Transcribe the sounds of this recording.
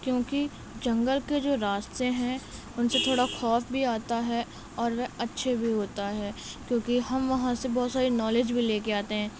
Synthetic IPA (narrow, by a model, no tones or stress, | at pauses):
kjõːki | d͡ʒɐ̃ŋɡəlked͡ʒoːɾaːst̪eɦɛ̃ | ʊnset̪ʰoːɽaxɔːpbʱiaːt̪aɦɛ | ɔːɾʋɛɐtːʃʰebʱiɦoːt̪aɦɛːkjõːkiɦɐmʋɐɦãsebɔːt̪saːɾinɔːleːd͡ʒbʱileːkeaːt̪eɦɛ̃ː